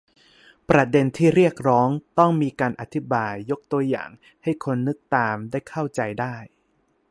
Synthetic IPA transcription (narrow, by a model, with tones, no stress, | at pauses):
pɾa˧˩de˧nt̪ʰiː˥˩ɾi˥˩ək̚ɾɔː˦˥ŋt̪ɔ˥˩ŋmiː˧kaː˧nʔa˨˩t̪ʰi˦˥baː˧jːo˦˥k̚t̪u˧ɐja̰ː˨˩ŋ | ha˥˩jkʰo˧nːɯ˦˥k̚t̪aː˧mdaː˥˩jkʰa˥˩wt͡ɕa˧jdaː˥˩j